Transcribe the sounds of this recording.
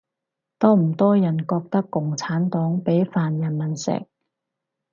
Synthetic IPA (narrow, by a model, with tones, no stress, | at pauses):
t̪ɔː˥m̩˨˩t̪ɔː˥jɐ˨˩nkɔː˧k̚t̪ɐ˥kːʊ˨ŋt͡sʰaː˨˥nt̪ɔː˨˥ŋpe˨˥jfaː˨njɐ˨˩nmɐ˨˩nsɛ̰˨˩k̚